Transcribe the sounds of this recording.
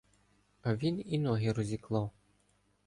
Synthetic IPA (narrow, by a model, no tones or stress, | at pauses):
ɐʋʲininɔɦɪɾɔzʲiklˠɑw